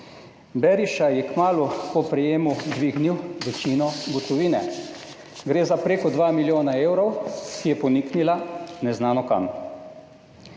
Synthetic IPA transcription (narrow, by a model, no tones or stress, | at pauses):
bɛɾiʃajɛkmaːlukɔpɾɛjeːmud̪ʋiɡniwʋɛt͡ʃiːnɔɡɔt̪ɔʋiːnɛ | ɡɾeːzapɾeːkɔd̪ʋaːmiljoːnaeːwɾɔwkijɛpɔniknilanɛznaːnɔka̰m